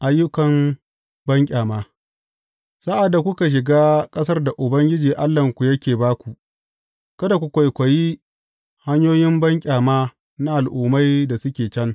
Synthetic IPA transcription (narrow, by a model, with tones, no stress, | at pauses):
ʔa˨jːʊ˦kɐ˨m | bɐ˦ŋkʲʼaː˨maː˦ | sa˦ʔa˨dːa˨kʷʊ˦ka˨ʃ̬ɪ˨ɡaː˦kʼɐ˦sɐ˦rda˨ʔʊ˨bɐ˦ŋɡʲɪ˦d͡ʒiː˨ʔa˦lːɐ˨ŋkʷu˨jɐ˦kʲeː˨baː˦kʷu˨ʔ | kɐ˦da˨kʷʊ˨kʷa˨jkʷɐ˨ji˦ | ha˦ɲjoː˦jɪ˦mbɐ˦ŋkʲʼaː˨maː˦ | na˦ʔa˨lʔuː˨ma˦jda˨sʊ˦kʲeː˨t͡ʃɐ˦n